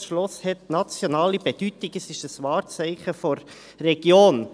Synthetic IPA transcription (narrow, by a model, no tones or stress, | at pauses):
ʃlʊshɛtnɑt͡sjonɑːlib̥ɛd̥ytɪɡəsɪʃəsʋɑːɾt͡sɛɪχəfɔɾː | ɛɡ̥joːn